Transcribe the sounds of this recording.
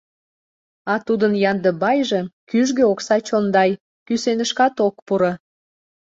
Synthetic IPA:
ɑt̪ud̪ənjɑnd̪ə̆bɑjʒə̆kyʒɣeoksɑt͡ɕond̪ɑj | kysenəʃkɑt̪ok̚puɾə

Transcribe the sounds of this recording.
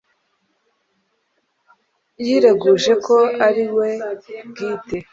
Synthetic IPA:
jiɾe̞ɡuʒe̞kʰo̞aɾiwe̞ɡiːte

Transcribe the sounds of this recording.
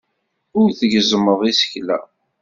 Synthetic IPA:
ʊɾθəʝzəməðˤisə̥çlæ̰

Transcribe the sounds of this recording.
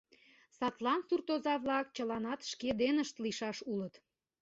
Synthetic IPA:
sɑt̪lɑnsurt̪ozɑβlɑk̚t͡ɕəlɑnɑt̪ʃked̪enəʃt̪liʃɑʃulət̪

